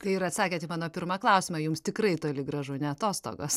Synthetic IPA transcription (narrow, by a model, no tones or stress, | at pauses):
kɐɪɪɾɐt̪sɑːkʲeːt̪ʲɪmɑːnoːpʲɪɾmɑklˠɐʊsʲɪmɑjʊmst̪ʲɪkrɐɪt̪oːlʲɪɡɾɐʒʊnʲɛɐt̪oːst̪o̰ːɡo̰ːs